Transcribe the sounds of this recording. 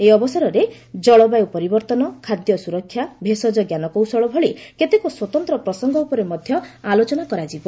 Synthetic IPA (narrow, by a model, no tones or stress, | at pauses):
eɔbɔsaɾɔɾe | d͡ʒɔɭɔbajwpɔɾibɔɾt̪ɔnɔkʰad̪jɔsuɾɔkʰːjabʱesɔd͡ʒɔɡjanɔkɔwsɔɭɔbʱɔɭiket̪ekuswɔt̪ɔnt̪ɾɔpɾɔsɔŋɡɔupɔɾemɔd̪ʱjɔalot͡ʃɔnakɔɾad͡ʒibɔ